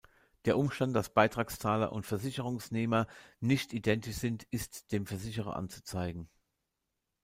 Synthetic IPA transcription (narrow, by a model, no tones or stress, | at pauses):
d̥eːɐʔʊmʃtant̚d̥asb̥aɪtʁ̥aːkst͡saːlɐ̰ʔʊ̰ntfɛɐzɪçəʁʊŋsneːmɐnɪçtidɛntɪçz̥ɪntʰɪstd̥eːmfɛɐzɪçəʁɐ̰ʔa̰nt͡su̥t͡saɪɡŋ̩